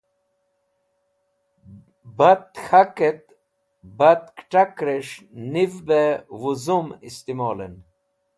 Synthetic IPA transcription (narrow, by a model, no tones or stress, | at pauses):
bat̪xaket̪̚ | bat̪kʈakɾeʂnivbewuzumist̪imoːlḛn